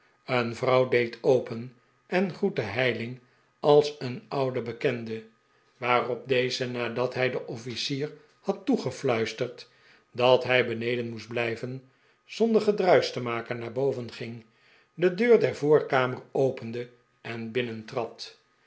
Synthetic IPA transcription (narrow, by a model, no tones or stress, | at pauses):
ənvrɑwdejtʰowpən | ʔɛnχutəɦɛjlɪŋ | ɑlˠsənɑwdəbəkɛndə | ʋaːrɔb̚dejzənaːdɑtɦɛjdəʔɔfisiːr | hɑtːuχəflœɥstəɹt | dɑtɦɛjbənejdənmusdblɛjvən | z̥ɔndəχədrœɥstəmaːkənaːɹbowvənχɪŋ | dədøːɹdɛɹvoːɹkaːmərowpəndə | ɛnbɪnəntrɑt